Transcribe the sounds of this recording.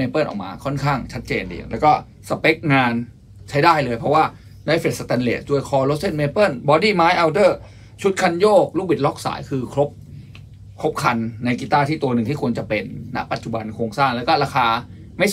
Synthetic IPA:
eː˧pɤː˥˩nʔɔ̰ː˨˩kma̰ː˧kʰɔ˥˩nkʰaː˥˩ŋt͡ɕʰa˦˥t̪̚t͡ɕeː˧ndḭː˧˩˨ŋlɛː˦˥wkɔ˥˩ | sa˧pe˦˥k̚ŋaː˧n | t͡ɕʰa˦˥jdaː˥˩jlɤː˧jpʰɔ˦˥waː˥˩ | na˧˩jfe˨˩t̪̚sa˧t̪ɛ˧nleː˨˩sdu˧əjkʰɔː˧lo˦˥t̪̚se˥˩nmeː˧pɤ˥˩nbɔː˧diː˥˩maː˦˥jʔa˧wdɤː˥˩ | t͡ɕʰu˦˥t̪̚kʰa˧njoː˥˩k̚luː˥˩bi˨˩t̪̚lɔ˦˥k̚sa̰ː˩˦jkʰɯː˧kʰɾo˦˥p̚ | kʰo˦˥p̚kʰa˧nːa˧jki˨˧t̪aː˥˩t̪ʰiː˥˩t̪u˧ɐnɯ˨˩ŋt̪iː˥˩ku˧ənt͡ɕa˨˩pe˧nːa̰˦˥ʔpa˨˩t̪̚t͡ɕu˨˩ba˧nkʰoː˧ŋsaː˥˩ŋlɛː˦˥wkɔː˥˩ɾaː˧kʰaː˧ | ma˥˩j

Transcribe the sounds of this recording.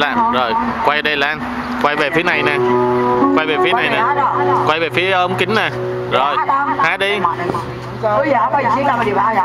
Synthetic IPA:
laː˨˩mzo˨˩jkwa˧jɗə˧jlaː˧˩n | kwa˧jve˨˩fi˨˦əna˨˩jnɛː˨˩kwa˧jve˨˩fi˨˦na˨˩jnaː˨˩˧kwa˧jve˨˩fi˨˦əʔːŋ͡mkï˨˦ŋ̟naː˨˩ | zo˨˩jhaː˧˩ɗi˧˦˧

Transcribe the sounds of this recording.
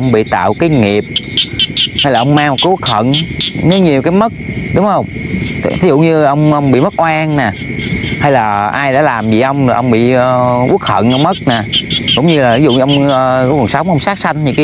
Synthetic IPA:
ʔə˧wŋ͡mɓḭ˧˨t̪a̰ː˧˨wkaː˨˦jŋi˨˩əp̚ | ha˧jlaː˨˩ʔə˧wŋ͡mmaː˧ŋm̚˨˩kaː˨˦ʔu˦˥ək̚hə̰˧˨nne˨˦wɲi˨˩əwkaː˨˦jmə˦˥t̚ɗʊ˨˦ŋ͡mhə˧wŋ͡mt̪ʰi˨˦zṵ˧˨ɲɨ˧˨ʔə˧wŋ͡mʔə˧wŋ͡mɓḭ˧˨mə˦˥t̚ʔwaː˧ŋnaː˨˩ha˧jlaː˨˩ʔaː˧jɗa̰ː˧˥laː˨˩mzḭ˧˨˩ʔə˧wŋ͡maː˨˩ʔə˧ŋ͡mɓḭ˧˨əː˨˧ʔu˦˥ək̚hə̰˧˨nʔə˧wŋ͡mmə˦˥t̚naː˨˩kʊ̰˧˥ŋ͡mɲɨ˧laː˨˩i˨˦zṵ˧˨˧ʔə˧wŋ͡məː˨˩kɔ˨˦və˨˩nsə˨˦wŋ͡mʔwŋ͡msaː˦˥k̚sa˧jŋ̟ɲḭ˧˥ŋk

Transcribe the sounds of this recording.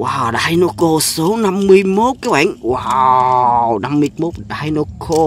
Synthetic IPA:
wʔaː˧˩wɗaː˧jno˧ko˧so˨˦na˧mːɨ˧əjmo˦˥t̚kaː˨˦wɓa̰ː˧˨ŋwa | na˧mːɨ˧əmo˦˥t̚ɗaː˧jno˧kʰo˧

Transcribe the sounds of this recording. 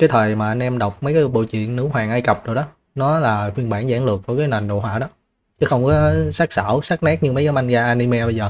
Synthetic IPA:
kaː˨˦jt̪ʰəː˨˩jmaː˨˩ʔa˧nʔɛ˧mɗa˨˩wk͡p̚mə˨˦jkaː˨˦ɓo̰˧˨t͡ɕwḭ˧˨ənːɨ˨˦wwaː˨˩ŋʔaː˧jkə˨˩p̚zo˨˩ɗɔ˨˦ | nɔ˨˦laː˨˩xwi˧ənɓaː˧˩nza̰ː˧˩ŋlɨ˨˩ək̚və˧˩jkaː˨˦jna˨˩ŋ̟ɗo̰˧˨ɦwa̰ː˧˨ɗɔ˨˦ | t͡ɕə˨˦xə˧wŋ͡mkɔ˨˦sa˦˥k̚sa̰ː˧˩wsaː˦˥k̚naː˦˥k̚ɲɨ˧mə˨˦jkaː˨˦ma˧nɣaː˧ʔaː˧ni˧mɛ˧ɓə˧jzəː˨˩

